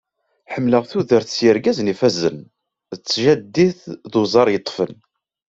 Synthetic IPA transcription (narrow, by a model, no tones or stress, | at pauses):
ħəmːləʁθuðəɾθt͡sjəɾɡæznifæzə̰n | ət͡sːʒæd̪ːiθðuzˤɑɾˤjət̪ˤːfən